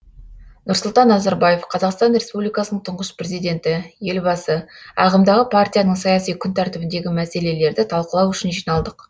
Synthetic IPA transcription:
nʊɾsʊlˠt̪ɑnːɑzaɾbaje̞fqʰɑzɑqst̪ɑnre̞spublijkɑsənəɴt̪ʰʊɴʁəspre̞zijd̪e̞nt̪ɪje̞lbɑsəɑ̰ʁəmd̪ɑʁəpʰart̪ʲijanəɴsɑjasijkʲʰʏnt̪ʰæɾt̪ɪbɪnd̪e̞ɡʲɪmæse̞le̞le̞ɾd̪ɪt̪ʰɑlˠqəlˠɑwʏʃɪnʒijnɑlˠd̪əq

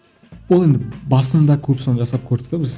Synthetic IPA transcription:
wolˠe̞nd̪ɪbɑsənd̪ɑkʲʰɵpso̞nəʒɑsɑp̚kʲʰɵɾse̥t̪ɪbɪz

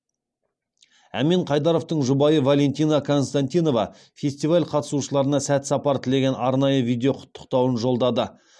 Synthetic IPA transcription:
æ̰meɴqʰɑjd̪ɑɾo̞ft̪əɴʒʊbɑjəvalʲe̞nt̪ijnɑkʰo̞nst̪ant̪ijno̞vɑ̰ | fʲe̞sʲt̪ivalʲqʰɑt̪ə̥suʃəlˠɑɾənɑsæt̪sɑpɑɾt̪ʰɪle̞ɡʲe̞nɑɾnɑjəvijd̪ʲe̞o̞qʰʊ̥t̪ːə̥qt̪ɑwənʒo̞lˠd̪ɑd̪ə

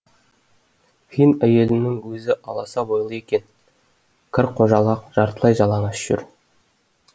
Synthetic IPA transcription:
fʲijnæje̞lɪnnːɪŋwɵzɪʔɑlˠɑsɑbo̞jlˠəje̞kʲe̞n | kʲʰɪɾqʰoʒɑlˠɑqʒ̥ɑɾt̪əlˠɑjʒɑlˠɑɴɑʒ̥ɪ̰ɾ

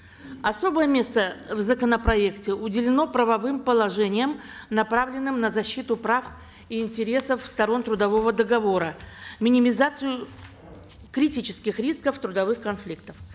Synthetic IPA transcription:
ɐso̞bəjəmʲe̞st̪əvzəkənəpɾɐe̞ktʲɪʊdʲɪlʲɪno̞pɾəvɐvɨmpəlˠɐʐɛnʲɪjəm | nɐpɾavlʲɪnːɨmnəzɐɕːit̪ʊpɾaf | iɪnʲtʲɪɾʲe̞səfːst̪ɐɾo̞nt̪ɾʊd̪ɐvo̞vəd̪əɡɐvo̞ɾəmʲɪnʲɪmʲɪzat̪sɨjʊ | kɾʲɪtʲit͡ɕɪ̥skʲɪxɾʲiskəft̪ɾʊd̪ɐvɨxkɐnflʲik̚t̪ə̥f

